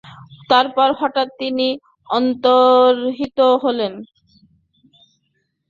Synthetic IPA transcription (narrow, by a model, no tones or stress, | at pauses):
t̪aɾpɔɾhɔʈat̪ːini | ɔnt̪oɾɦit̪oɦolen